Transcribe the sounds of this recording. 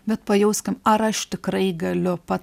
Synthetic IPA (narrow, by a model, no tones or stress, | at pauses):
bʲɛt̪pɐjɛʊsʲkʲɪmɐɾɐʃt̪ʲɪkɾɐɪɡɐlʲʊpɐt